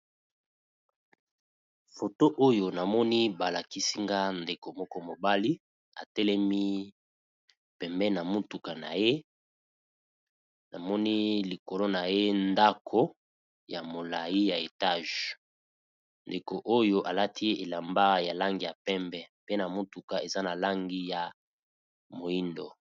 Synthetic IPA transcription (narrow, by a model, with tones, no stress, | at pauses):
fo˨to˦ʔo˦jo˨na˨mɔ˦ni˦ba˨la˨ki˦si˦ŋɡa˦nde˨ko˨mɔ˦kɔ˦mo˨ba˦li˦ | a̰˨tɛ˦lɛ˦mi˦ | pɛ˨mbɛ˦na˨mo˦tu˨ka˨na̰˨je˦ | na˨mɔ˦ni˦li˨ko˨lo˦na˨je˦nda˦kʰo˦ | ja˨mo˨la˨ji˦ja˨e˨ta˦˨ʒ | nde˨ko˨ʔo˦jo˦ʔa˨la˦tʰi˦ʔe˨la˨mba˦ja˨la˦ŋɡi˦ja˨pɛ˦mbɛ˦pe˦na˨mo˦tu˨ka˨e˨za˦na˨la˦ŋɡi˦ja˨ | mo˨i˦ndo̰˨